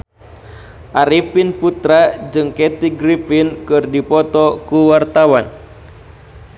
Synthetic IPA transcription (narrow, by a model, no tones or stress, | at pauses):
ʔaɾipinput̪ɾad͡ʒɨŋkɛt̪iɡɾifinkɨrdipɔt̪ɔkuwart̪awan